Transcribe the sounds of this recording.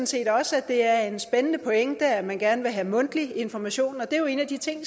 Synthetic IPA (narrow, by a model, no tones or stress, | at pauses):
n̩se̝̰ːd̥ɒ̽sæd̥e̝æɐe̝nsb̥enənəpʰo̽eŋəd̥æɐæmænɡ̥æɐnəʋe̝ɦæmɔ̽n̰d̥lie̝nfɒmæɕo̝̰ːnɒ̽d̥e̝joe̝ːnæd̥it͡sʰe̝ŋ̰